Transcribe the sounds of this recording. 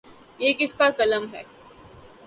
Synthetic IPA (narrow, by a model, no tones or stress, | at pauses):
jeːkɪskakɐləmɦɛ̰ː